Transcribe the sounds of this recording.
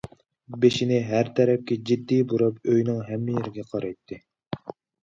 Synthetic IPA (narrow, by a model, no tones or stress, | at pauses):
beʃinɪɦæɾt̪ʰɛɾɛp̚kʲɛd͡ʒid̪ːijbuɾɑpøjnɪŋɦɛmːɪjeɾɪɡʲɛqʰɑɾɑjt̪ʰːɨ